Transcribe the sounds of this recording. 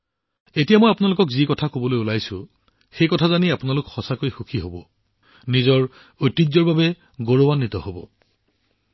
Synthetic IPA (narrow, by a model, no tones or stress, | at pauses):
etijamojapʊnalʊkɔkzikɔtʰakobɔlojulajsʊ̰̃ | xejkɔtʰazaniapʊnalʊkxɔsakojxukʰiɦobɔ | nizɔɹ | ojtːizɔɹbabɛ | ɡoɹowanːitɔhobɔ̰